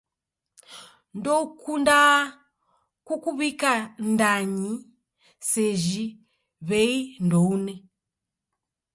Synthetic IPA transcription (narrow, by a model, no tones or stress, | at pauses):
ndokunda | kukuβikandaɲi | seʒi | βeindoune